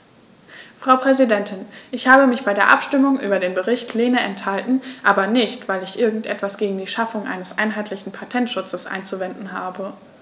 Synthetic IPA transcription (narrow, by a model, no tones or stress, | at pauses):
fʁ̥aʊpʁ̥ɛzidɛntʰɪnʔɪçhaːbəmɪçb̥aɪdeːɐʔapʃtɪmʊŋʔy̰ːbɐdeːnbəʁɪçtʰleːnəʔɛnthaltn̩ʔaːbɐnɪçtv̥aɪlɪçʔɪɐɡŋ̩tʔɛ̰tv̥asɡ̥eːɡŋ̩diːʃafʊŋʔa̰ɪnəsʔa̰ɪnɦaɪtʰlɪçn̩pʰatʰɛntʃʊt͡səsʔa̰ɪnt͡suvɛndn̩ɦaːbə